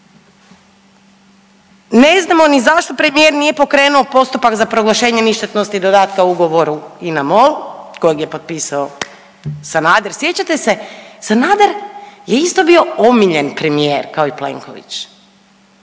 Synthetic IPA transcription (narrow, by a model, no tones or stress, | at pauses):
ne̞znamo̞nizaʃt̪opɾe̞mijeɾnije̞po̞kɾe̞ːnuo̞po̞st̪upakzapɾo̞ɡlˠaʃe̞ːɲeniʃt̪et̪nost̪id̪o̞d̪aːt̪kauɡo̞ʋo̞ɾuinamo̞lko̞jeɡjepo̞t̪̚pisao | sanaːd̪eɾsje̞t͡ɕat̪e̞se̞sanaːd̪eɾje̞ist̪o̞bio̞omiʎe̞npɾe̞mijeɾkaoiple̞̰ŋko̞̰ʋḭt͡ɕ